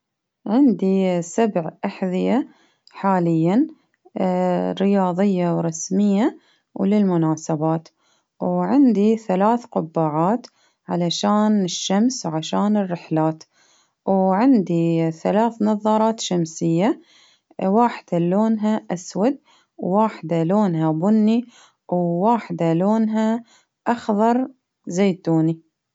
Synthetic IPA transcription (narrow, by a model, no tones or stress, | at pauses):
ʕɪnd̪isabʕʔaħðɪja | ħaːlɪjːan | ɾɪjɑːðˤɪjːawɾˤɑsmɪjːa | wlɪlmʊnaːsabaːt̪ | wʕɪnd̪iθalaːθqʊbːaːʕaːt̪ | ʕalaʃaːnɪʃːamswʕaʃaːnɪrːɪħlaːt̪ | wʕɪnd̪iθalaːθnɑðˤɑɾˤɑːt̪ʃamsɪjːa | waːħɪ̥d̪̥aloːnɦaʔaswad̪̚ | wːaːħd̪aloːnɦabʊnːi | wwaːħd̪aloːnɦa | ʔɑxðˤɑɾˤ | zeːt̪uːni